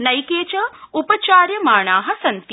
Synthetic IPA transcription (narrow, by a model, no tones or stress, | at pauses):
nɐjkeːt͡ʃɐupɐt͡ʃaːɾjɐmaːɳ̃aːɦɐsɐnt̪